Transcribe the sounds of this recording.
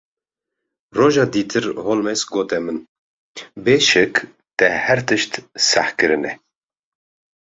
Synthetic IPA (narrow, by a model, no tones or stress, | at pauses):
roːʒɑːd̪iːt̪ʰɨɾholmɛsɡoːt̪ɛmɨn | beːʃɛk | t̪ɛhɛɾt̪ʰɨʃt̪sa̰hkɨɾɨnɛ